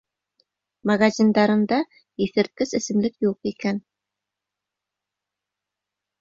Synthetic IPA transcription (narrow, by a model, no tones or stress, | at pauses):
maɡazʲind̪ɑɾɤ̆nd̪ɑ | iθɘ̆ɾt̪̚kɘzɘ̆sɘ̆mlɘkjuqikæn